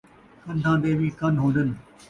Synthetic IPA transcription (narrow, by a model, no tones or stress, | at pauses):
kə̃nt̪ʰãːd̪eːʋiːkənɦoːd̪ən